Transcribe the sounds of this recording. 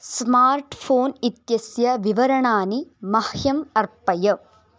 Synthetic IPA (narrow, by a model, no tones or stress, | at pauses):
smaːɾʈpʰoːnit̪jɐsjɐʋiʋɐɾɐɳaːnimɐhjɐmɐɾpɐjɐ